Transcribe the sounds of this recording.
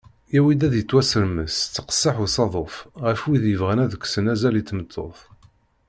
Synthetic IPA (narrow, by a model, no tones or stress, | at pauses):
jæwid̪æðjət͡s̪ːwæsəɾməst͡sːə̥qə̥sːəħusɑðˤofʁəfwiðjəvʁənæðəkʷːsənæzælit͡sːmət̪ʰːo̰θˤ